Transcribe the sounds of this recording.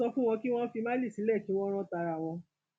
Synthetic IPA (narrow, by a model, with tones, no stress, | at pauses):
ɔ˧fũ˦w̃ɔ̃˧ki˦w̃ɔ̃˦fi˧mã˦li˦˨si˨˦lɛ˦˨tĩ˨˦w̃ɔ̃˦ɾ̃ɔ̃˧ta˧ɾa˧˨w̃ɔ̃˧